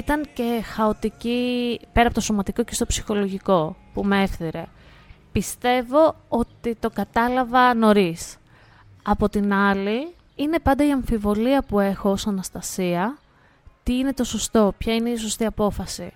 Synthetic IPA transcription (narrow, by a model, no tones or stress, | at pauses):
it̪ɐŋce̞xɐot̪icipe̞ɾɐpot̪oso̞mɐt̪iko̞ce̞st̪o̞psi̥xo̞lo̞ʝiko̞pumee̞fθiɾe̞̰ | pist̪e̞vo̞o̞t̪it̪o̞kɐt̪ɐlɐvɐno̞ɾis | ɐpo̞t̪inɐli | ine̞pɐnd̪ɐiɐɱfivo̞liɐpue̞xo̞osɐnɐst̪ɐsiɐ | t̪iine̞t̪o̞so̞st̪o̞pçɐineiso̞st̪iɐpo̞fɐsḭ